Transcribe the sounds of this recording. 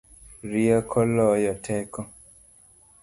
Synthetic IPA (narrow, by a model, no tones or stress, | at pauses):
ɾiɔkʰɔlɔjɔtʰɛkɔ